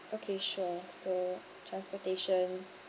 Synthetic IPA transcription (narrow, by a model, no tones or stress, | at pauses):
ʔokʰeʃuso | tʰɹãnspɔteʃə̃n